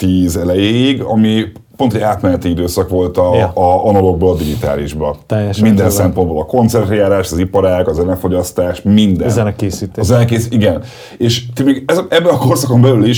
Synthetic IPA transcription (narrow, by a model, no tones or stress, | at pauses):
t̪iːzɛlɛjeːjiɡɒ̰mipont̪oaːt̪mɛnɛt̪iid̪øːsɒkʋo̞lt̪ɒɒnolo̞ɡ̚boːlɒd̪iɡit̪a̰ːliʒbɒt̪ɛːjɛʃmmind̪ɛnsɛmpo̞nboːlɒko̞nt̪sɛrt̪rɛjaːɾaːʃɒzipɒɾaːkɒzɛlɛɱfo̞ɟɒst̪aːʃmind̪ɛnzɛnɛkeːsiːt̪ezɛlɛkeːsiɡɛn | eːʃt̪imeːɡɛzɛbːɛnɒko̞rsɒko̞mbɛlyliʃ